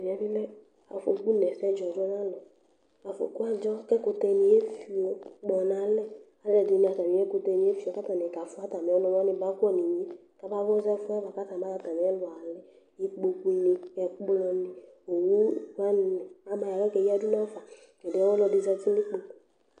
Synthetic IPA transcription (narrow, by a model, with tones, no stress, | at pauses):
vi˨a˨˦vi˦lɛ˦ | a̰˨fo̰˨ku˦nɛ˨sɛ˦d͡ʒɔ˨d͡ʒɔ˦nã˦lɔ˨ | a˨fo̰˨ku˦a˦d͡ʒɔ˦kɛ˦ko˨t̪ɛ˧nĩ˨e˦fi˨o˦k͡pɔ˨nã˨˦lɛ˦˨ | a˨˦ɛ˨di˨nĩ˨a˨t̪a˨mĩ˨˦e˦ko˧t̪ɛ˧˨nĩ˨˦e˦fi˦o˨ka˦t̪a˨nɛ˨ka˨fu˦a˦t̪a˨me˨ɔ˦nɔ̃˨m˦a˦nĩ˦ba˦kɔ˦ni˨ɲĩ˦ | ka˦ba˦vɔ˦zɛ˦fu˦a˦va˨ka˦t̪ã˨ma˦a˦t̪a˨me˨˦ɛ˦lɔ˨a˨lɛ˦ | ji˦k͡po˨ku˦ni˨ɛ˨k͡plɔ˨nĩ˨ | o˨wu˦va˦n˨nɛ˨a˨˦ma˨ja˨lɛ˦kɛ˨ji˦a˦d͡ʒu˦na˦fa˨ | kɛ˨de˦ɛ˦ɔ˦lɔ˧di˨zɛ˧ti˦nĩ˦k͡po˦